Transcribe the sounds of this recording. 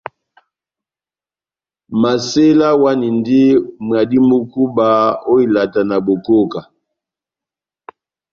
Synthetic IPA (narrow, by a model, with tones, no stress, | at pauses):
ma˨se˦la˦wa˦ni˨ndi˦mwa˨di˦mu˦ku˦ba˨o˦i˨la˨ta˨na˨bo˨ko˦ka˨